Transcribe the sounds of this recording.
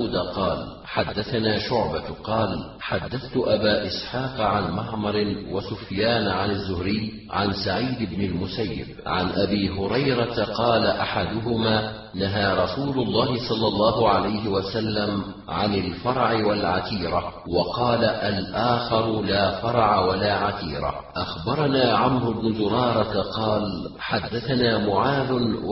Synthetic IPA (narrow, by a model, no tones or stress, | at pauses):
d̪aqɑːl | ħad̪ːaθanaːʃʊʕbaqɑːl | ħad̪ːaθt̪ʊʔabaːʔɪsħɑːqʕanmɑʕmɑɾˤɪwasʊfjaːnʕanazːʊhɾɪj | ʕansaʕiːd̪ɪbnɪlmʊsajːɪ̰bʕa̰nʔabiːɦʊɾɑjɾat̪aqɑːlaʔaħad̪ʊɦʊmaː | naɦaːɾˤɑsuːlʊlˤːɑːɦɪsˤɑlːɑlˤːɑːɦʊʕalajɦɪwasalːam | ʕanɪlfɑɾˤʕɪwalʕat̪iːɾa | wɑqɑːlaʔalʔaːxɑɾˤʊlaːfɑɾˤʕawalaːʕat̪ḭːɾa̰ | ʔaxbɑɾˤɑnaːʕamɾʊbnʊzʊɾˤɑːɾˤɑt̪qɑːl | ħad̪ːaθanaːmʊʕaːðʊ